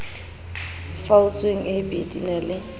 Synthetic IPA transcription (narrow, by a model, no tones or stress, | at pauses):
faut͡sweŋ̩ʔɪbʼedinɛlɪ